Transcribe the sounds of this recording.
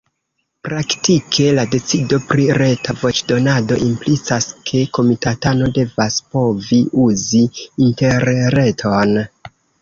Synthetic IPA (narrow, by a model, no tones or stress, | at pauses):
pɾaktikʰe̞lade̞t͡sido̞pɾiɾe̞tʰavo̞t͡ʃdo̞nado̞̰ʔimplit͡saskʰe̞ko̞mitatano̞de̞vaspo̞viuziinte̞ɾɾe̞tʰo̞n